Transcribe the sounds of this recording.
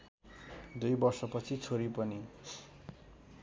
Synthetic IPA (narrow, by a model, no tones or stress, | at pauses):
d̪ujbʌrsʌpʌt͡sʰit͡sʰoɾipʌni